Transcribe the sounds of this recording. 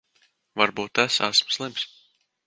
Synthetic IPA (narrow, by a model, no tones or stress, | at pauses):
vaɾbuːt̪ːæsæ̰smslˠims